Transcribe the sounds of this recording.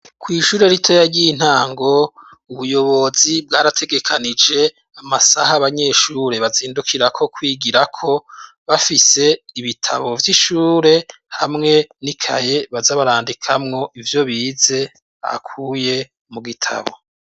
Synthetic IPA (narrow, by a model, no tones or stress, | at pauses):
kwiːʃuːɾe̞ɾitʰo̞jaɾɟiin̥haːŋɡo̞ | uβujo̞βo̞zibɡaːɾatʰe̞ɡe̞kʰanid͡ʒe̞ | amasahaβaɲe̞ʃuːɾe̞βaziːndukʰiɾakʰo̞kwiːɡiɾakʰo̞ | βafise̞iβitʰa̰βo̞vjiʃuːɾe̞ | hamŋe̞nikʰa̰je̞βazaβaɾaːndikʰamŋo̞ʔivjo̞βize̞ | a̰a̰kʰuːje̞ | muɡitʰa̰βo̰